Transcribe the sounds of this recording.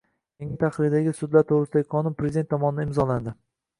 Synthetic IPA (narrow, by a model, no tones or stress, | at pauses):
kʲeŋɪt̪ʰaχɾɪɾd̪aɡʲɪsʊd̪laɾt̪ʰoʁɾɨsɪd̪aɡʲɪqʰɒnʊnpʰɾezɪd̪ent̪ːʰɒmɒnɪd̪aɪmzɒland̪ɪ